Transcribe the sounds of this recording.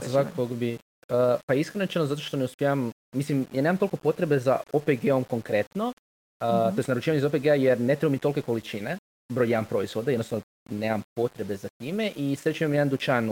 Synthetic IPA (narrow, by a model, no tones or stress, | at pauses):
sʋakokoɡobi | əpaiskɾenoet͡ʃenozat̪oʃt̪o̞neuspʲjeaʋamː | islimjaːne̞ːmamt̪olˠko̞po̞t̪ɾe̞beza̰opeɡeomko̞ŋkɾe̞t̪no | ət̪o̞est̪naɾut͡ʃiːʋaɲizopeɡeajeɾne̞t̪ɾebomit̪o̞lke̞ko̞lit͡ʃine | bɾojaampɾo̞izʋo̞d̪ajednosaʋno | ne̞ːmampo̞t̪ɾe̞be̞zat̪iːmeʔisɾet͡ʃimamjed̪and̪ut͡ʃanu